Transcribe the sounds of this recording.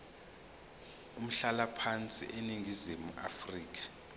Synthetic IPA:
um̩ɬalapʰant͡sʼḭʔeniŋɡʱizimuʔa̰friːk̬ḁ

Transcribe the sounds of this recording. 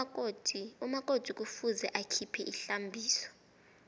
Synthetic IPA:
umak̬ʼod̥ʱuk̬ʼufuzɛʔakʰipʰɛʔiɬambʱiːsɔ̥

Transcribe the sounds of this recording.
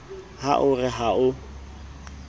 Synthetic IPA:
ha̰ʔʊrɪɦaʊ

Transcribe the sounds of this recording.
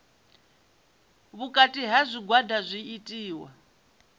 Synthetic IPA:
βukʼatʼiɦazʷiɡwadazʷiːtʼiːwa̰

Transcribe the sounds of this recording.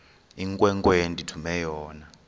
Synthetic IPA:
iŋkʼwɛŋkʼwentʼitʰumɛjɔːna

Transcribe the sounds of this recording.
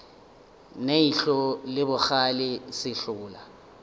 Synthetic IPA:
neiɬɔlɪbʊxalɪsɪɬʊːla

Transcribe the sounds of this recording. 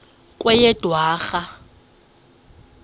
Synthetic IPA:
kʼwɛjɛd̥ʱwaːɣa

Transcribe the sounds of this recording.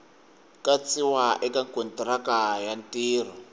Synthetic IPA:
kat͡siwaʔɛkaŋkɔntrakajantʼiːr̤ɔ

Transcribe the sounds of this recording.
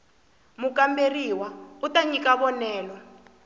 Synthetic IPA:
muk̬ʼamberiwautaɲik̬ʼaβɔnɛːlɔ

